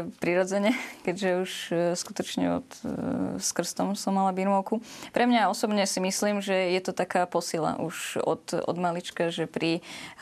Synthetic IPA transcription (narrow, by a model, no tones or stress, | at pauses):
pɾiɾɔd͡zɛɲɛkɛɟʒɛuʃskut̪ɔt͡ʃɲɛ̰ɔ̰t̪ | skr̩st̪ɔmsɔmːalabiɾmɔʊkupɾʔɛmɲaɔsɔbɲɛsimisliːmʒɛjɛt̪ɔt̪akaːpɔsila̰ʔṵʃɔ̰t̪ɔ̰d̪malit͡ʃkaʒɛpɾi